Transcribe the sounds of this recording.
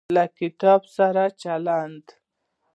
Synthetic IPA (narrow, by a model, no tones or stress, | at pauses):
lakɪt̪ɑbsaɾat͡ʃaland̪